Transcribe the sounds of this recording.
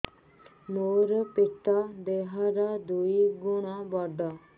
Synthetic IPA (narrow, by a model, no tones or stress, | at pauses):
moːɾpɪʈ̪ːad̪eɦaɾad̪uiɡʊɽ̃abɔɖa